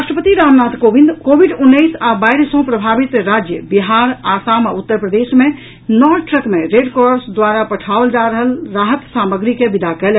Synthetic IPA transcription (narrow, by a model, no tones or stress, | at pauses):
ɾaʃʈɾəpət̪iɾamnat̪kobind̪kobʱiɖunːəɪsabajɾesə̃pɾəbʱabit̪ɾad͡ʒjə̰biɦaɾasamaut̪ːəɾpɾəd̪esme | nɔɖʈɾəkmeɾeɖkoɾsd̪waɾapəʈʰaold͡ʒaɾəɦəlɾaɦət̪saməɡɾikebid̪akɛlɛ